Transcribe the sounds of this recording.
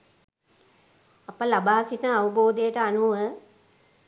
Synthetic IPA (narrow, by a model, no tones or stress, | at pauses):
apəlabaːsiʈəaʋəboːd̪ejəʈəanuʋə